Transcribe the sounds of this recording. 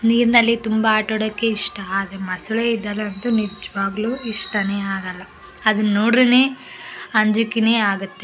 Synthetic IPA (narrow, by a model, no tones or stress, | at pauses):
niːɾinɐlːit̪umbɐaːʈoɽɐkːe̞iʂʈɐaːd̪emɐsuɭeid̪ːɐlːɐɐnt̪unid͡ʒɐʋaːɡluːiʂʈɐneːaːɡɐlːɐː | d̪unnːoːɽɐne̞ːɐɲd͡ʒukine̞ːaːɡut̪ːe